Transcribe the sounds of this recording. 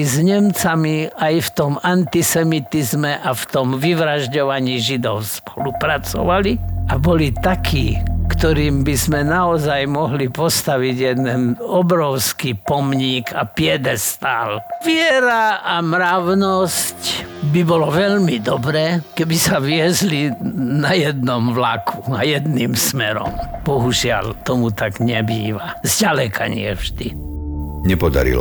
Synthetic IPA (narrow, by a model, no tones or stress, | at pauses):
zɲɛmt͡samiajft̪ɔmant̪isɛmit̪izmɛʔaft̪ɔmʋiʋɾaʒɟɔʋaɲiːʒid̪ɔʊspɔlupɾat͡sɔ̰ʋaliabɔlit̪akʰiːkt̪ɔɾiːmbizmɛnaɔzajmɔɦlipɔst̪aʋiɟjɛd̪ɛnɔbɾɔʊskipɔmɲiːkapɪɛd̪ɛst̪alʋɪɛɾaʔamɾaʊnɔscbibɔlɔʋɛʎmid̪ɔbɾɛːkɛbisaʋɪɛzlinajɛd̪nɔmʋlakʰuajɛd̪niːmsmɛɾɔ̰mb̥ɔɦuʒɪa̰ʎt̪ɔmut̪aɡɲɛbiːʋazɟalɛkʰa̰ɲɪ̰ɛ̰vʒd̪i | ɲɛpɔd̪a̰ɾḭl